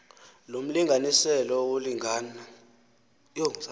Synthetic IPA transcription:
lom̩liŋɡʱanisɛlɔwoliŋana | joŋza

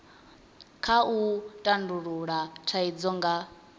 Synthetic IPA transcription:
kʰautʼanduɺuɺatʰaid͡zɔŋɡa

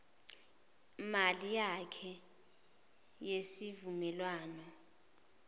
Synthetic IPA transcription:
malijakʰɛ | jesivumɛlwaːnɔ

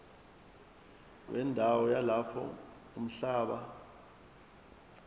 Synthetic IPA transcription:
wʔɛndʱawɔjalapʰɔ̰ | um̩ɬaːɓa

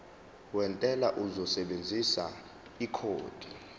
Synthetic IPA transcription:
wɛntʼɛlaʔuzɔsɛɓend͡zʱisa̰ | ikʰo̰ːd̥ʱi

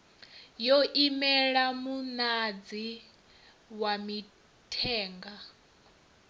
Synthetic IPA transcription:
jɔʔimɛɺamunad͡zi | wami | tʰɛːŋɡa

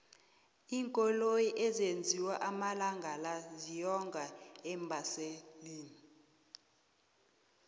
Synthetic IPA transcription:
iːŋkʼɔlojiʔɛzend͡zʱiwaʔamalaŋɡʱalazijɔŋɡʱaɛmbʱaseliːni

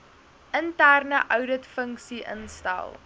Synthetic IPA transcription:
ʔəntærnəʔœwdətfəŋksiʔə̰nstæ̰lˠ

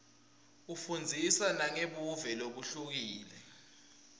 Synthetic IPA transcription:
ufund͡zʱisanaŋeɓuvɛloɓ̬uɬuk̬iːlɛ

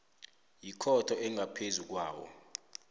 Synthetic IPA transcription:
jikʰɔtʰɔʔɛŋɡʱapʰezuk̬waːwɔ̰

